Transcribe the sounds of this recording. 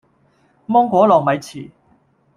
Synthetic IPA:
mɔː˥ŋkʷɔː˨˥lɔː˨˩ŋmɐ˨˧jt͡sʰiː˨˩

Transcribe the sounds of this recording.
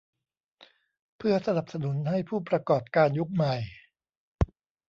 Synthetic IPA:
pʰɯ˥˩ɐsa˧na˨˩p̚sa˧nu˩˦nɦa˥˩jpʰuː˥˩pɾa˧kɔː˨˩p̚kaː˧nju˦˥k̚ma˨˩j

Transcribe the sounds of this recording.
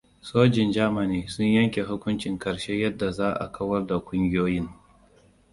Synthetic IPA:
soː˦d͡ʒɪ˨nd͡ʒaː˦ma˨niː˦sʊ˦ɲjɐ˦ŋkʲe˨ɦʊ˦kʷʊ˦nt͡ʃɪ˨ŋkɐ˨ɽʃe˦jɐ˦dːa˨zaː˦ʔa̰˨kʰɐ˦wɐ˦rda˨kʷʊ˦ŋɡʲɪ˦joː˦jɪ˦ŋ

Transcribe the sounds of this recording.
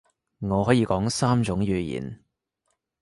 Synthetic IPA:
ŋɔː˨˧hɦɔː˨˥jiː˨˧kɔː˨˥ŋsaː˥mt͡sʊ˨˥ŋjyː˨˧jḭː˨˩n

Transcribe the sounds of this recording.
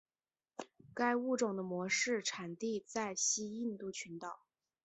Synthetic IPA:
ka˥ɪu˥˩ʈ͡ʂʊ˨˩ŋd̪ə˦mwɔ˧˥ʂɻ̩˥˩ʈ͡ʂʰa˨˩nt̪i˥˧t͡sa˥˩ɪɕi˥i˥˧nt̪u˥˩t͡ɕʰy˧˥nt̪ɑ˨˩˦ʊ

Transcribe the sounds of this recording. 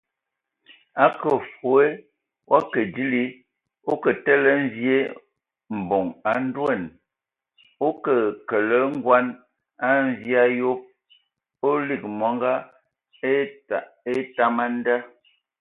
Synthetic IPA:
a˦kə˨fo˨e˦ | wʔa˦kə˨di˦li˦ | o˦kə˨tə˦lə˦n˦vje˦ | m̩˨bo˨ŋa˨n˦dwe˦˨n | o˦kə˨kə˨lə˦ŋ˦ɡwa˦n | a˦n˦vi˦a˦jo˦p̚ | o˦li˨k̚mwɔ˨˦ŋɡa˦˨ | e˦ta˦ma˦n˦da˦

